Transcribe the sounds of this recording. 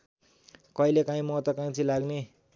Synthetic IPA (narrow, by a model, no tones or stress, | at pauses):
kʌilekãĩmʌt̪ʌkãĩt͡sʰĩlaɡne